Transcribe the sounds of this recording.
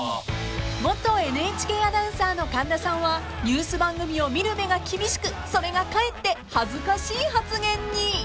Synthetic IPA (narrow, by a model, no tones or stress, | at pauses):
mo̞t̪ːo̞e̞nɯ̟et͡ɕi̥ke̞ːad̪ãɯ̟̃saːno̞kãnd̪asãɰ̃βa | ɲʲɨːsɨbãŋɡɯ̟mʲio̞mʲiɾɯ̟me̞ɡakʲibʲiɕi̥kɯ̟so̞ɾe̞ɡakae̞t̪ːe̞hazɨkaɕiːhat͡sɨɡẽ̞ɲːi